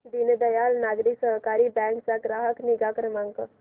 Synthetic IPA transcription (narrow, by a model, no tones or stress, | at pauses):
d̪ined̪ɐjaːlnaːɡɾiksəɦkaːɾibɛ̃ːŋksaɡɾaːɦəkniɡaːkɾəmə̃ŋkə